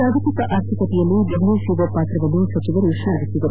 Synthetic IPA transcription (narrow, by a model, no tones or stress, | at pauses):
aːd̪ʱɐt̪ikɐʔaːɾt̪ʰikɐt̪ijɐlːid̪iɡliʃuʋɐpaːt̪ɾɐʋɐnːusɐt͡ʃiʋɐɾiʂɐɐɾisid̪ɐɾu